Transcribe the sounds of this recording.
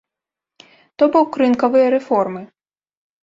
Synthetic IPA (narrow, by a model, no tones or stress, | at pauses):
t̪ɔbuwkɾɪnkɔʋɪjɛɾefɔrmɪ